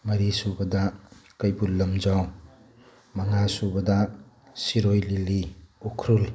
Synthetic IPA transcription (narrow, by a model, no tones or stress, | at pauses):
mɐɾisubɐdakɐjbulːɐmd͡ʒaw | maŋasubɐda | siɾojliliukʰɾul